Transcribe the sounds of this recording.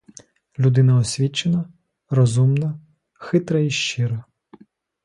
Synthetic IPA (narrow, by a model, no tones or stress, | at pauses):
lʲud̪ɪnɐɔsʲʋʲit͡ʃenɐ | rɔzumnɐ | xɪt̪ɾɐiʃt͡ʃɪɾɐ